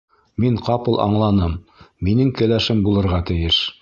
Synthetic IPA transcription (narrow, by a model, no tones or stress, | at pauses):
miŋqɑpɤlˠʔɑ̰ɴlˠɑnɤmːinɘŋkɘ̆læʃɘmbulˠɤ̆ɾʁɑt̪ɘ̆jɘʃ